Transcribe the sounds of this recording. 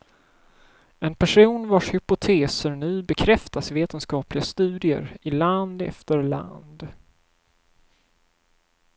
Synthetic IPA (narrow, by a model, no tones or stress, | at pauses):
ɛnpʰæʂuːnvaʂhʏpʊt̪ʰeːsəɾɳʉ̟ːbɛkʰɾɛft̪asveːt̪ənskɑːplɪɡast̪ʉ̟ːd̪ɪə̰ɾɪland̪ɛ̰ft̪əɾla̰nd̪